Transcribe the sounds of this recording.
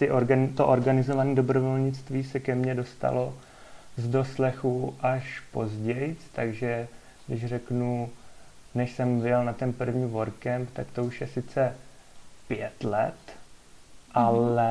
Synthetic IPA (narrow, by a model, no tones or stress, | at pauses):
t̪ɪʔoɾɡant̪oʔoɾɡanɪzo̞vaniːdo̞bɾo̞vo̞lɲɪt͡st̪viːsɛkɛmɲɛdo̞st̪a̰lo̞ | zdo̞slɛxuʔaʃpo̞zɟɛjt͡st̪aɡʒɛ | ɡdɪʃr̝ɛknu | nɛʃsɛmvɪjɛlnat̪ɛnpr̩vɲiːvo̞ɾkɛmpt̪akt̪o̞uʃjɛsɪt͡sɛ | pɪjɛt̪lɛt̪ | ʔalɛ